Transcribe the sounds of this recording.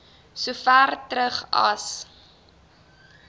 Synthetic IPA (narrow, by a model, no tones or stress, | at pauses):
sufærtɾəχɐ̰s